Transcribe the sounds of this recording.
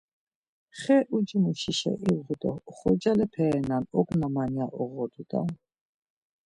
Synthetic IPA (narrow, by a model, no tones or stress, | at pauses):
χɛʔud͡ʒimuʃiʃɛ̰ʔiɣut̪ʼɔχɔd͡ʒalɛpʰɛːnanɔkʼnamaniaʔɔɣɔd̪ud̪a̰